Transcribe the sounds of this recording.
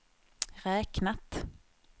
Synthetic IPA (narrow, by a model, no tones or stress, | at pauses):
ɾɛːknat̪